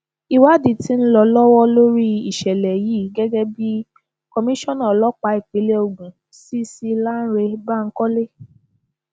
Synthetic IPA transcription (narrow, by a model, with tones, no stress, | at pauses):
i˧wa˦di˨ti˦n̩˦lɔ˧lɔ˦wɔ˦lo˦ɾi˦i˨ʃɛ˨lɛ˨ji˦˨ɡɛ˦ɡɛ˦bi˦ | kɔ˧mĩ˦ʃɔ̃˦˨nã˨lɔ˦k͡pa˧˦i˨k͡pi˨˦le˦o˧ɡũ˨ | si˦si˧la˦n̩˦ɾe˧ba˦˨ŋ̩˦kɔ˦le˦